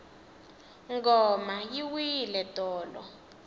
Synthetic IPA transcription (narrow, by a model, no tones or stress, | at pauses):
ŋɡɔmajiwilɛtʼɔːlɔ̰